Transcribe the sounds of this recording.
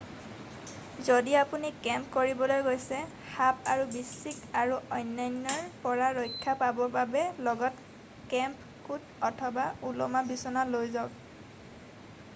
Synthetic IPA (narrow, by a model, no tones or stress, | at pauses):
zodiapunikɛmpkoɹibɔlojɡojsɛ | xapaɹubisikaɹuʔɔjnːajnːɔɹpɔɹaɹojkʰːapabɔbabɛlɔɡɔt | kɛmp | kutɔtʰɔbaulɔmabisɔnalojzɔk